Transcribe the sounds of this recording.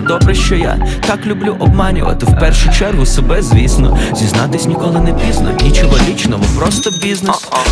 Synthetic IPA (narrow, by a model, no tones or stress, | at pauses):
d̪ɔbɾɛʃt͡ʃɔja̰t̪aklʲʊblʲuʔɔb̚mɑnʲʊ̰ʋɐ̰t̪ɪwpɛrʃʊt͡ʃɛrɦʊsebɛzʲʋʲisnɔ̰zʲiznɑt̪ɪsʲnʲikɔlˠɪnepʲiznɔ̰it͡ʃɪɦɐlʲit͡ʃnɔmʊpɾɔst̪ɔbʲiznesʊ̥